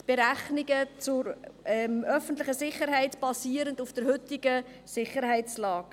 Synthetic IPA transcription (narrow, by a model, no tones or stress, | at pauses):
b̥eɾæχnɪɡət͡sʊɾɛmœfən̩tlɪχəsɪχəɾɦɛɪtb̥ɑsiːəɾəndufd̥əɾɦʏtɪɡə | sɪχəɾhɛɪt͡slɑːɡ̥